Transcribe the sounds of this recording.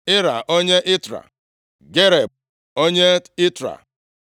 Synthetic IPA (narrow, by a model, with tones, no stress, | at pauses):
ɪ˦ɾa˨ʔo˦ɲe˦ʔɪ˦tɾa̰˨ | ɡe˦ɾe˨ | o˦ɲe˦ɪ˦tɾa̰˨